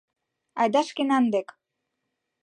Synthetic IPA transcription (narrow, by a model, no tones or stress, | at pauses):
a̰jd̪aʃkinand̪ek